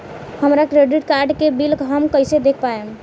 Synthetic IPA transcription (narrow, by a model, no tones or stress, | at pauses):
həmɾakɾeɖiʈkaɾɖkebilkɦəmkəjsed̪ekʰpaem